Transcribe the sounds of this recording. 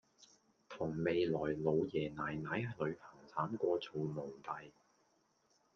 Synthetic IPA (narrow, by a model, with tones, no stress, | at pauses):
t̪ʰʊ˨˩ŋme˨jlɔː˨˩jlo˨˧wjɛː˨˩naː˨˩jnaː˨˥jlɵ˨˧ɥpʰɐ˨˩ŋt͡sʰaː˨˥mkʷɔː˧t͡so˨wmʊ˨˩ŋt̪ɐ˨j